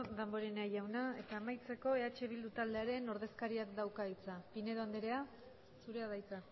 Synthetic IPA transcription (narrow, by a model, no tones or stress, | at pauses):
ðambo̞ɾeneajawnae̞t̪aːmajt͡se̞ko̞e̞at͡ʃe̞β̞ild̪ut̪ald̪eaɾe̞no̞ɾð̞e̞skaɾiakd̪awkait͡sapine̞ðoand̪eɾe̞a | suɾe̞aðajt͡sa